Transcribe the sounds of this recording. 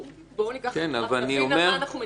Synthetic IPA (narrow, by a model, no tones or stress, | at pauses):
kenavaniomeʁ